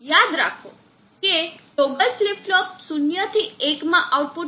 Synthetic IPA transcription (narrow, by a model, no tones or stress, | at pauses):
jad̪ɾakʰo̰ | keloɡəlslipʈʈɔpsunjət̪ʰiekmãʔawʈ̚pu